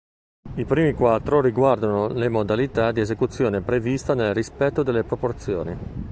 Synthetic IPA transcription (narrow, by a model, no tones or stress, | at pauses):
ipɾiːmikwat̪ːɾoriɡward̪anolemod̪alit̪ad̪iezekut̪sːjoːnepɾevist̪anelrispɛt̪ːod̪elːepɾoport̪sjo̰ːni